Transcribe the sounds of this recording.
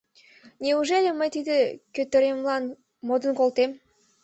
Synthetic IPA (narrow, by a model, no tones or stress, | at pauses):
nʲeuʒelʲemɑjt̪id̪əkʲøt̪ːeɾʲemlˠɑn | mod̪ənkolˠt̪em